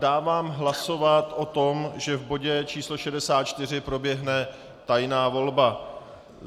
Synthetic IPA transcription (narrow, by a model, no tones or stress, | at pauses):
daːvaːmɦlaso̞vat̪ʔo̞t̪o̞mʒɛvbo̞ɟɛt͡ʃiːslo̞ʃɛdɛsaːt̪̚t͡ʃt̪ɪr̝ɪpɾo̞bjɛɦnɛ | t̪ajnaːvo̞lba